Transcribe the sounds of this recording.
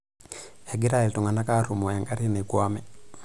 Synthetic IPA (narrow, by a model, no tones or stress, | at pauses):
ɛɡiɾailtuŋanakaɾumɔjaŋɡaɾinekuamɛ